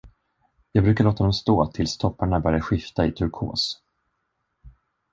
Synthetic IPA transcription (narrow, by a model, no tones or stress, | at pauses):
jɑːɡ̚bɾʉ̟kaɭoːt̪ad̪ɔmst̪oːt̪ʰɪlst̪ʰɔpːaɳabœɾɪjaɧɪft̪aɪt̪ʰɵɾkʰo̰ːs